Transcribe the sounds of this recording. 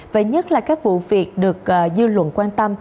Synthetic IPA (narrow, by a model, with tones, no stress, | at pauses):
və̰˨˩ɲə˦˥t̚laː˨˩kaː˦˥k̚vṵ˧˨vi˨˩ət̚ɗɨ˨˩ək̚ːzɨ˧lwə̰˧˨nkwaː˧nt̪ə˧m